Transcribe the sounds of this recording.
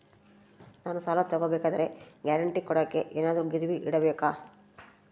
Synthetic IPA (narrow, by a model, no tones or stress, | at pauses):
naːnusaːlɐt̪ɐɡobɛːkaːd̪ɐɾe̞ɡjaːɾɐɳʈikɔɽɐkːe̞ʔeːnaːd̪ɐɾuɡiɾiʋiʔiɽɐbeːkaː